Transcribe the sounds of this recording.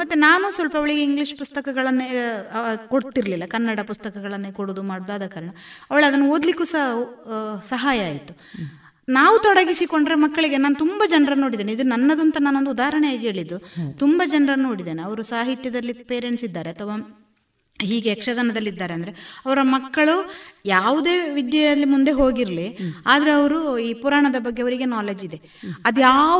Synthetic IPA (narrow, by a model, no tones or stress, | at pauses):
mɐt̪ːenaːnusʋɐlpɐɐʋɐɭiɡeiŋɡliʂpust̪ɐkɐɡɐɭɐnːe | koɽt̪iɾlilːɐkɐnːɐɽɐpust̪ɐkɐɡɐɭɐnːekoɽoːd̪umaːɽod̪aːd̪ɐkaːɾɐɳɐɐʋɐɭɐd̪ɐnːuoːd̪likːuːsɐ | sɐɦaːjɐaːjit̪ːu | naːʋut̪ɔɽɐɡisikoɳɖɾemɐkːɐɭiɡe̞naːnut̪umbɐd͡ʒɐnɾɐno̞ːɽid̪eneid̪unɐnːɐd̪unt̪ɐnaːno̞nd̪ud̪aːɦɐɾɐɳɛjaːɡiɦe̞ːɭid̪ːut̪umbɐd͡ʒɐnɾɐno̞ːɽid̪eːneɐʋɐɾusaːɦit̪jɐd̪ɐlːipeːɾeɳsid̪ːaːɾeɐt̪ʰɐʋa | ɦiːɡeːkʂɐɡ̪ɐnɐd̪ɐlːid̪ːaːɾeɐnd̪ɐɾe̞ɐʋɐɾɐmɐkːɐɭujaːʋud̪e̞ːʋid̪jɐɐlːimund̪e̞ɦo̞ːɡiɾliaːd̪ɐɾeɐʋɐɾuiːpuɾaːɳɐd̪ɐbɐɡːe̞ɐʋɐɾiɡe̞naːled͡ʒid̪e̞ | ɐd̪jaː